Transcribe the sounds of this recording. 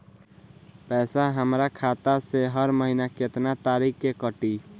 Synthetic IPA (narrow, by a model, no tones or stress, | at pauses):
pɛːsaɦəmɾakʰaːt̪aseɦəɾməɦinakɪt̪nat̪aːɾiːkkekəʈi